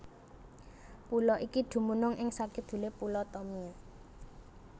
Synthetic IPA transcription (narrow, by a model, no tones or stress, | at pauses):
pulɔʔikid̪̥ṳmunʊŋʔɪŋsakɪd̪̥ṳlepulɔt̪ɔmia